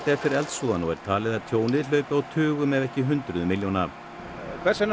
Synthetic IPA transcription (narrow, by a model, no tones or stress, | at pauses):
ɛft̪ɪɾɾɛlt̪suːðanɔɣɛ̰ɾ̥t̪ʰaːlɪðaɾt̪ʰjoːwnɪl̥œɥpʏawt̪ʰʏːɣʏmɛðɛhcɪɦʏnt̪ɾʏðmɪljowna | kʰvɛɾ̥san